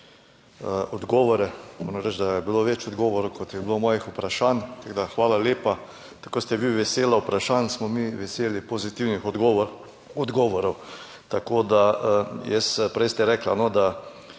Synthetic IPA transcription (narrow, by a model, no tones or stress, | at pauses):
əɔd̪ɡɔːʋɔɾɛmo̰ɾamɾɛt͡ʃd̪ajɛbiloʋet͡ʃɔd̪ɡɔːʋɔɾowkot̪jɛblomɔːjixupɾaʃant̪aɡd̪axʋaːlaleːpa | t̪ḁkoːst̪ɛʋiʋɛseːlaupɾaʃansmɔmiʋɛseːlipozit̪iwnix | ɔd̪ɡɔːʋɔɾɔw | t̪akod̪aəjɛspɾɛjst̪ɛɾɛklanod̪a